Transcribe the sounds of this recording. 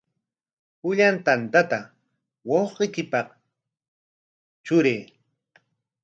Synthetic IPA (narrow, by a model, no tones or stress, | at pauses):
pʊʎant̪ant̪at̪a | wɑwqejkɪpɑq | t͡ʃʊɾeː